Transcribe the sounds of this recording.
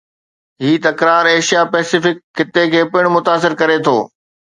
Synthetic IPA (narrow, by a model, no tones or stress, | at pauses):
ɦiːt̪ɐkɾaːɾeːʃijapɛːsɪfɪkʰːɪt̪ekʰeːpɪɽ̃mʊt̪aːs̬ɪɾkɐɾet̪ʰo̰ː